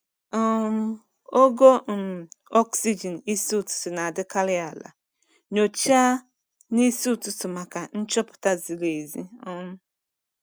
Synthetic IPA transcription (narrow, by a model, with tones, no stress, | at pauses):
m˦ | o˦ɡo˦˨m˨ɔ˦ksi˦d͡ʒi˨ni˦si˦u˦˨tʊ̥˨sɪ˨na˨dɪ˦ka˦lɪ˦a˨la̰˨ | ɲo˨t͡ʃa˦ | ni˦si˦u˦˨tʊ˦sʊ˨ma˨ka˨n̩˦t͡ʃɔ˦pʊ̥˨ta˦zi˨le˨zi˦ɔ˦m˦